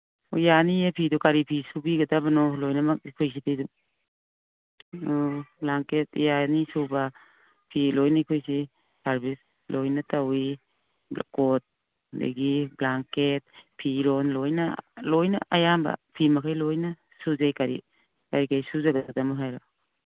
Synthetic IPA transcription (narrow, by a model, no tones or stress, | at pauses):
ujaniepʰidukaɾipʰisubiɡɐdabanɔlojnamakʰojsidejdu | blaŋketjanisuba | pʰilojnikʰojsi | saɾbis | lojnatawi | kɔt̚ | dḛɡiblaŋket̚pʰiɾɔnlojnalojna̰ʔajamba̰pʰimakʰajlojna | suzajkaɾḭ | kaɾikajsuzaɡadadamaɦajɾa